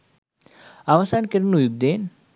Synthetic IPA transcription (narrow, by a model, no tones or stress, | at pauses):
aʋasankeɾnujuɡ̚d̪en